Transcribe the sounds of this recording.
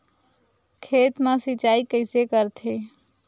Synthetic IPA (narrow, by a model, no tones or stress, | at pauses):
kʰeːt̪mãsit͡ʃaːikəɪsekəɾt̪ʰe